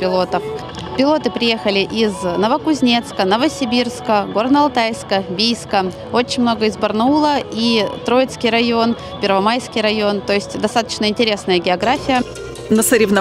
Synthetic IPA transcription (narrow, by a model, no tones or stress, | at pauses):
pʲɪlˠo̞t̪əf | pʲɪlˠo̞t̪ɨpɾʲɪje̞xəlʲɪʔiznəvəkʊzʲnʲe̞t̪skənəvəsʲɪbʲirskəɡo̞rnəɐlˠt̪ajskəbʲijskə | o̞t͡ɕɪnʲmno̞ɡəɪzbərnulˠəit̪ɾo̞jɪt̪skʲɪjɾɐjo̞n | pʲɪrvɐmajskʲɪjɾɐjo̞nt̪o̞ɪsʲtʲd̪ɐst̪at̪ə̥t͡ɕnəɪnʲtʲɪɾʲe̞snəjəɡʲɪɐɡɾafʲɪjə | nəsəɾʲɪvnɐ